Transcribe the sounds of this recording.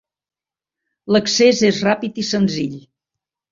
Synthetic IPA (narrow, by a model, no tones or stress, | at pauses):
ləksezezrapit̪isənziʎ